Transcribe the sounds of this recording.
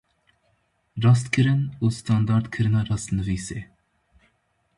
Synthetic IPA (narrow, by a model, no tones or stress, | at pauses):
rɑs̬t̪kʰɨɾɨnust̪ʰɑnd̪ɑɾd̪kʰɨɾɨnɑrɑst̪nɨviːse